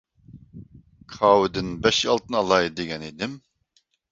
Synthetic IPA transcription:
kʰɑːwɪd̪ɪnbɛʃɑlˠt̪ʰɨnɑlˠɑjd̪eɡʲɛnid̪ɪm

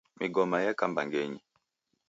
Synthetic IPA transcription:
miɡɔmajakambaŋɡɛɲi

